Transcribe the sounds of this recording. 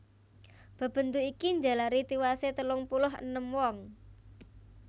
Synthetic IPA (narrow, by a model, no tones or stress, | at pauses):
b̥ə̤b̥ə̤nt̪uikiɲd͡ʒa̤laɾit̪iwaset̪əlʊŋpulʊɦə̰nəmwɔŋ